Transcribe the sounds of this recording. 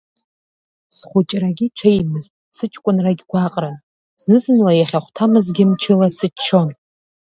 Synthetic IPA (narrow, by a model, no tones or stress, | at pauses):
sχʷʊt͡ʃʼraɡʲiʈ͡ʂʷʰejmɨztʼsɨt͡ʃʼkʷʼʊnraɡʲɡʷaqʼra | z̥nɨzɨnlajaχʲaχʷtʰamɨzɡʲɪmt͡ʃʰɪlasɨt͡ʃʰːo̞n